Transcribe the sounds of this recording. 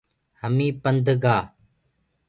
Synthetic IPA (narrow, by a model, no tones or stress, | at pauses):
həmĩːpənd̪ʱɡaː